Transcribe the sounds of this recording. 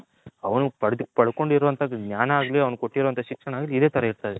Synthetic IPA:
ɐʋɐnupɐɽd̪pɐɽuko̞ɳɖiɾɔʋɐnt̪ʰɐɡnʲaːnɐaːɡɐliːɐʋɐnukoʈːiɾɔːɐnt̪ɐʃikʂɐnaːɡilid̪e̞ːt̪ɐɾɐiɾt̪aːd̪e

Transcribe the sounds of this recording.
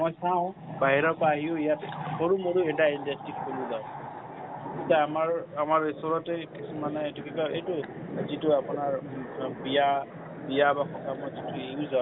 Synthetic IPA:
mɔjsaʊ̃ | baɦiɹɔpaːɦijoijatoɹumoɹuɛʈaindastikboluzaʊ | kitaamaɹamaɹisɔɹɔtɛkisumanɛejtukikaejtu | zituapʊnaɹbija | bijabakʰɔtʰamɔjzituejuzã

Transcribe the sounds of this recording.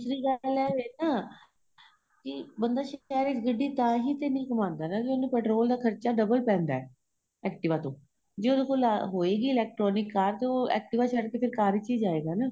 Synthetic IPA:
d̪ʊsɾiːɡəlɛːeːnaː | kɪbənd̪aːʃɛːɾɪsɡəɖːiːt̪ãːɦiːt̪eːnĩːkəmãːnd̪aːnaːd͡ʒeːonẽːpɛːʈɾoːld̪aːkʰəɾt͡ʃaːɖəbəlpɛ̃ːnd̪aɛː | ɛːk̚ʈɪʋãːt̪õː | d͡ʒeːod̪eːkoːlaɦoːeːɡiːɪlɛːk̚ʈɾɔːnɪkːaːɾt̪eoːɛ̰ːk̚ʈɪʋaːt͡ʃʰəɽkeːpʰɪɾkaːɾit͡ʃiːd͡ʒaːeːɡaːnaː

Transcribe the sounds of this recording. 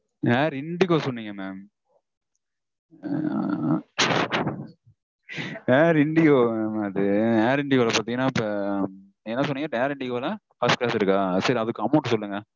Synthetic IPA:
aːɾɪɳɖɪkoːsɔnːiŋɡɐmeːm | aːɾɪɳɖɪjoːmːmɐðɯeːɾɪɳɖɪɣoːlɐpaːɾt̪iŋɡɐnːaːɪpːɐ | ɛnːɐsɔnːiːŋɡɐeːɾɪɳɖɪɣoːlɐ | fɐsʈklaːsɪɾɯkːaːsɐɾiɐðɯkːɯɐmːoːʈːɯsɔlːɯŋɡɐ

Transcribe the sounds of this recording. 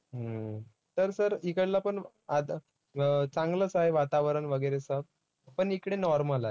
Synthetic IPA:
ɦə | t̪əɾsəɾikəɽlapəɳ | ad̪ | t͡sãŋɡlət͡saeʋat̪aʋəɾəɳʋəɡəɾesəb̚ | pəɳikɽenɔɾməlaɦe

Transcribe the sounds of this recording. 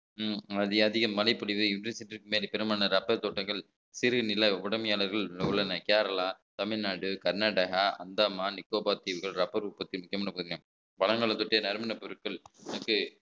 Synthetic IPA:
ɐðɪɐðɪɣɐmːɐlɐɪpːɔɽɪʋɯɪndrɯsɛndɪkːɯmeːɾipɛɾɯmaːnɐɾɐpːɐɾt̪oːʈːɐŋɡɐɭ | sɪɾɯnɪlɐʊɽɐmɐjaːlɐɾɣɐɭɯɭːɐnɐkeːɾɐlaːt̪ɐmɪɭnaːɽɯkɐɾnaːɽɐɣaːʔɐ̰nd̪aːmaːnɪkːoːbaːt̪iːʋɯɣɐɭɾɐpːɐɾupːɐt̪ːɪlmʊkːɪjɐmaːnɐpʊðɯŋɐm | pɐɭɐŋɡɐɭɐt̪ːɔʈːenɐɾɯmɐnɐpɔɾɯkːɐɭɐnɐkːɯ

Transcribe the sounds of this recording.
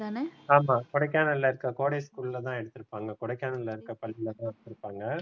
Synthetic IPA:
aːnɐaːmaːkɔɽɐkːaːnɐɪlːɐɪɾɯkːɐkoːɽejskuːlɪlɐt̪ãːɛɽɯt̪ːɯɾɯpːaːŋɡɐkɔɽɐɪkːaːnɐlːɐɪɾɯkːɐpɐlːɪlɐt̪ãːɛɽɯt̪ːɯɾɯpːaːŋɡɐ

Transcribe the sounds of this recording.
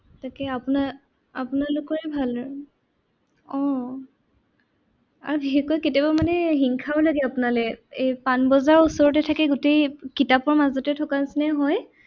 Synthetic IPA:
takɛapuna | apunalʊkɔɹɛbʱal | ɔ̃ | a̰ɹbiɦekɔjketabamanɛɦiŋkʰabɔlaɡɛapunalɛejpanbɔzaɹusɔɹɔtɛtʰakɛɡʊtejkitapɔɹmazɔtɛtʰɔkansnɛɦɔj

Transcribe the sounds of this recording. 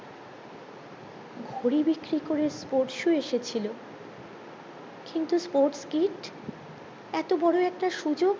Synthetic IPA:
ɡʱoɾibikɾikoɾespoɾʈʃueʃet͡ɕʰilo | kint̪uspoɾʈskiʈ | ɛt̪obɔɽoɛk̚ʈaʃud͡ʑoɡ

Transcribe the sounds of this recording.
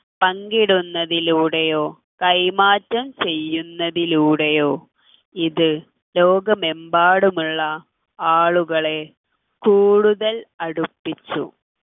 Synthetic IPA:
pɐŋɡiɽunːɐðiluːɽejo̞ː | kɐjmaːtːɐmt͡ɕe̞jːunːɐðiluːɽejo̞ː | iðɨ | lo̞ːɡɐmembaːɽumuɭːɐ | aːɭuɣɐɭe̞ | kuːɽuðɐlɐɽupːit͡ɕːṵ

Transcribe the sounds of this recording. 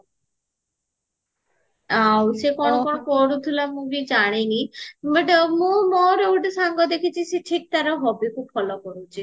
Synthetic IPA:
awsekɔnɔkɔɔkɔɽut̪ʰulamũɡid͡ʒaɽ̃enibəʈmũmɔɾowʈsaŋɡɔd̪ekʰit͡ʃʰiseʈʰik̚t̪aɾɔɦɔbikʰubfʰɔlɔkɔɾut͡ʃʰi

